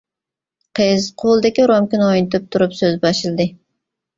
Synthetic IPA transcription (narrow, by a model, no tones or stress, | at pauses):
qʰɨzqʰolˠɨd̪ɪkʲiɾɑmkʲinɨojnɨt̪ɨp̚t̪ʰuɾupsøzbɑʃɨlˠɨd̪ɨ